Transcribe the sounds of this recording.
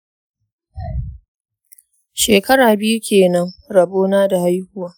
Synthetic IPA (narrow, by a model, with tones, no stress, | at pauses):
ʃeː˨kɐ˦ɽaː˨bɪ˦ju˦kʲeː˨nɐ˦ŋɾɐ˨boː˦naː˦da˨ha˦jhʊ˦waː˦